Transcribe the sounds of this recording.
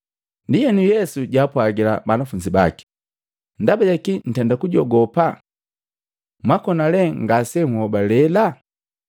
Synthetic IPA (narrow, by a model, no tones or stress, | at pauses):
ndijɛnujɛsuɟaːpwaɡila̰banafuɲd͡ʒiba̰ki̥ | ndabaɟakin̩tɛndakuɟɔɡɔpa | mwakɔnalɛŋɡasɛŋhɔbalɛla